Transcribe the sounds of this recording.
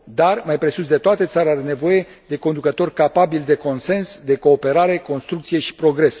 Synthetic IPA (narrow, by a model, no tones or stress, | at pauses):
d̪armajpɾe̞sus̬d̪e̞t̪oat̪e̞t̪saɾeaɾene̞vo̞je̞ | d̪e̞ko̞nd̪ukət̪o̞rʲkapabild̪e̞ko̞nse̞nsd̪e̞ko̞ːpe̞ɾaɾe̞ko̞nst̪ɾukt̪sijeʃi̥pɾo̞ɡɾe̞s